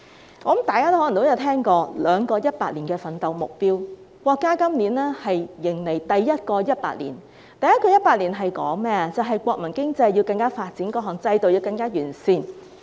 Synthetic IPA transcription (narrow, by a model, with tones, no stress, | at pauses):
ɔː˨˥˨mt̪aː˨jkaː˥t̪o˥hɔː˨˥˨t̪o˥wjɐ˨˧wt̪ʰɛː˥ŋkɔː˧lœː˨˧ŋkɔː˧jɐ˥t̚paː˧t̚liː˨˩nkɛː˧fɐ˨nt̪ɐ˨˧wmʊ̰˨k̚piː˥w | kʷɔː˧kːaː˥kɐ˥mniː˨˥nɛː˥hɐ˨jːɪ˨˩ŋle˨˩jt̪ɐ˨jːɐ˥t̚kɔː˧jɐ˥t̚pa̰ː˧k̚lḭː˨˩n | t̪ɐ˨jɐ˥t̚kɔː˧jɐ˥t̚paː˧k̚liː˨˩nɦɐ˨jkɔ̰ː˨˥ŋmɛː˥t͡sɐ˨˩wɦɐ˨jkʷɔː˧k̚mɐ˨˩nkɪ˥ŋt͡sɐ˧jːi˧wkɐ˧ŋkaː˥faː˧t̚t͡si˨˥nkɔː˧ɦɔː˨˩ŋt͡sɐ˧jt̪o˨wjiː˧wkɐ˧ŋkaː˥jyː˨˩nsiː˧n